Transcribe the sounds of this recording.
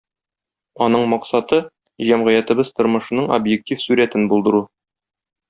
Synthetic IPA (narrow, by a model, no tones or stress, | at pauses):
ɒnɤɴmɒqsɑt̪ɤ | ʑæmʁɘ̆jæt̪ɘ̆bɘzt̪ŏɾmɤ̆ʃɤ̆nɤɴo̰bjek̚tʲifsʉɾæt̪ɘnbulˠd̪ɤ̆ɾu